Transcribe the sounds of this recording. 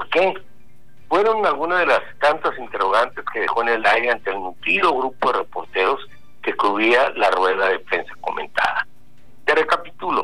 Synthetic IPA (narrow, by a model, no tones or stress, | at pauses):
poɾke̞ | fwe̞ɾo̞nalɣunaðe̞last̪ant̪asint̪e̞ro̞ɣ̞ant̪e̞ske̞ðe̞̰xo̞ene̞lajɾe̞ant̪e̞ːlnut̪ɾiðo̞ɣɾupo̞ðere̞po̞ɾt̪e̞ɾo̞s | ke̞kɾuialarwe̞ðaðefɾe̞nsḁko̞̰mḛ̃nt̪a̰ða | t̪ere̞kapit̪ulo̞̰